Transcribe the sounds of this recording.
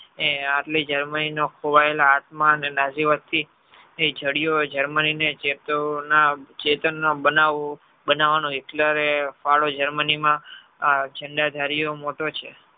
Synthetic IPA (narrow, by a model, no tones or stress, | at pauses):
eaʈlid͡ʒəɾməninokʰoʋaelaat̪mãənenaziʋət̪ʰːi | ed͡ʒʱəɽijod͡ʒəɾməninet͡ʃet̪onat͡ʃet̪ənːobənaʋo | bənaʋanũikləɾefaɭod͡ʒəɾmənimã | d͡ʒəɳɖad̪ʱaɾijomoʈot͡ʃʰe